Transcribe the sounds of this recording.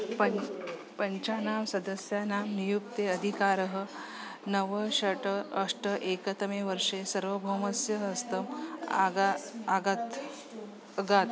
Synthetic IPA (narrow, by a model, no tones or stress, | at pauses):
p | pəɲt͡ɕanamsɐd̪əsjanamnijukt̪eəd̪ʱikaɾəɦə | nəʋəɕəʈəːʂʈəʔekət̪əmeʋəɾʂesəɾʋəbʱoməsjəɦɐst̪əmaaaɡt̪ | ɡat̪